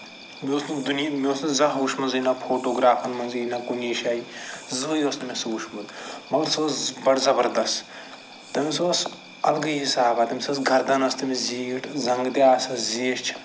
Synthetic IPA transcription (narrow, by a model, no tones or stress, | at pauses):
mʲoːsnd̪unjmʲioːsnzɐɦuːʃmɐnzinɐpʰoːʈoːɡɾaːpʰɐnmɐnzinɐkuniːʃaːizojosnɐmesuːʃmɐd̪mɐlsoːsbɐɽzɐbɐɾd̪ɐst | t̪ɐmʲisoːs | ɐlɡɐɦisaːbaːt̪ɐmʲsɐsɡʱɐɾd̪ɐnɐst̪ɐmiziːɡiʈʰzɐŋɡt̪iaːsɐziːʃt͡ʃʰɐ̥